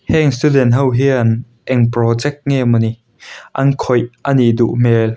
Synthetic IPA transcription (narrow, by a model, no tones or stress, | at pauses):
hɛŋst̪udɛntɦɐwɦiɐn | ʔɛŋprɔd͡zɛk̚ŋemɔni | ʔɐnkʰɔjʔɐnid̪uʔmɛl